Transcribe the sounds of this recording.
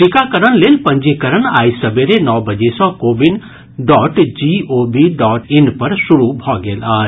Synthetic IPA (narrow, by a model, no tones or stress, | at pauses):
ʈɪkakɐɾəɽ̃leːlpɐ̃ɲd͡ʒekɐɾəɽ̃aːisɐbeɾenɔːbɐd͡ʒesɔ̃ːkoːbɪn | ɖɔːʈd͡ʒiːoːbiɖɔːʈɪnpɐɾsʊɾubʱɔːɡeːlaː